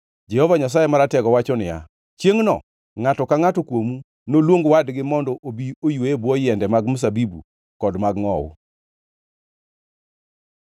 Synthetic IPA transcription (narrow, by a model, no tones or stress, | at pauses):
d͡ʒɛhɔvaɲas̬ajemaɾatɛɡɔwat͡ʃɔnɪja̰ | t͡ʃjeŋnɔ̰ | ŋatɔkaŋatɔkwomu | nolwoŋɡwadɡɪmɔndɔʔobiojwoebwɔjɛndɛmaɡmus̬abibṵ | kɔdmaɡŋɔʊ̰